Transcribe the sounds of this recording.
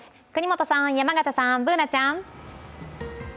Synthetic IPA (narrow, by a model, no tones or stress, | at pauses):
s | kɯ̟ɲ̟ʲimo̞t̪osãŋjamaɡat̪asãmbɯ̟ːnat͡ɕãŋ